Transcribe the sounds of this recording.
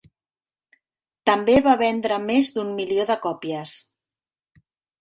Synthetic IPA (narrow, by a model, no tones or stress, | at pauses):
t̪əmbeβaβɛnd̪ɾəmezd̪ummilioðəkɔpiəs